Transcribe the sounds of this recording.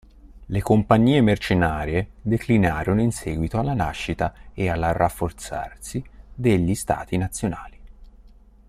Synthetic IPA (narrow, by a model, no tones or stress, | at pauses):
lekompaɲːiːemert͡ʃenaːɾjed̪eklinaːɾonoinsɛːɡwit̪oalːanaʃːit̪aealːarafːort̪sa̰rsid̪eʎːist̪a̰ːt̪inat̪sːjonaːli